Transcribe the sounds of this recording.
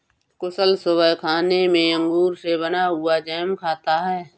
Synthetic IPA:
kʊsəlsʊbəkʰaːnemẽə̃ŋɡuːɾseβənaɦʊad͡ʒɛːmkʰaːt̪aɦɛː

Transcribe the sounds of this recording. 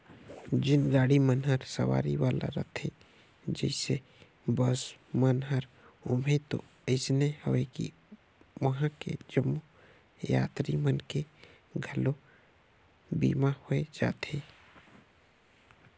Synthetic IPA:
d͡ʒɪnɡaːɽimənɦəɾsə̰ʋa̰ːɾḭʋaːlʔa̰ɾə̰t̪ʰe | d͡ʒəɪse | bɔsmənɦəɾ | ʊmet̪o̰ | əɪsnehoʋekḭ | wəɦãkḛd͡ʒəmːu | ja̰ːt̪ɾimənke | ɡʱəlo | bḭːmahoed͡ʒa̰ːt̪eː

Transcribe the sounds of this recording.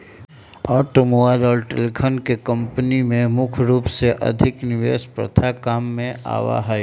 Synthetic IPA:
ɔːʈomoʋaːɾɔːlʈḛlikʰənkekə̃mpənimẽmʊkʰɾuːpseʔɐ̰d̪ʱɪknɪʋḛːʃpɾə̰t̪ʰakaːmːẽa̰ːʋa̰ɦɛj

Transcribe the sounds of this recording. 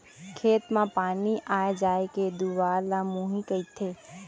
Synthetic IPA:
kʰeːt̪mãpaːniʔaːed͡ʒaːeked̪uʋaːlamũːɦĩkəit̪ʰeː

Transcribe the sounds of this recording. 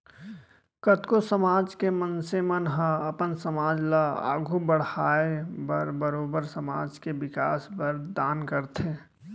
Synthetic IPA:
kət̪kosəmaːd͡ʒkemənsemənɦə̃əpənsəmaːd͡ʒlaa̰ːɡʱubəɽ̤aːebəɾbəɾoːbəɾsəmaːd͡ʒkeʋɪkaːsbəɾd̪aːnkəɾt̪ʰeː

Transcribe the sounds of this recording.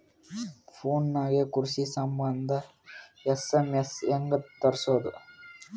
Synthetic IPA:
foːnːaːɣekʊɾsisɐmbɐnd̪ɐ | ɛsemɛsɛŋɡɐt̪ːɐɾsoðɯ̰

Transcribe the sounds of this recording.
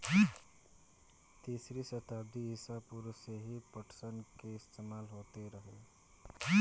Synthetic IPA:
t̪iːsɾisət̪aːbd̪iɪsapuɾseɦipəʈʰsənkeɪst̪eːmaːlɦoːt̪eɾəɦe

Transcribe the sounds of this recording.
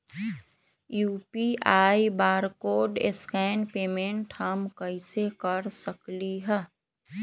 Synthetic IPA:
juːpiʔaːibaːɾkoːɖḛskɛːnpeːmẽɳʈhəmkəɪsekəɾsəkliɦɛː

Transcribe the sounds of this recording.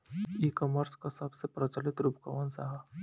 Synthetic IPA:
ikɔməɾskasɐbsepɾət͡ʃəlɪt̪ɾubka̰ʋənsaɦa

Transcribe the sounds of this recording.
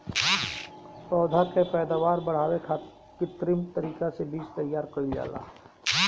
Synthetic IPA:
pɾɔːd̪ʱakepɛːd̪aːʋaːɾbɐɽ̤aːwekʰa | kit̪ɾimt̪ɐɾiːkasebiːt͡ʃt̪ɐjaːɾkoid͡ʒa̰ːla̰ːɦ

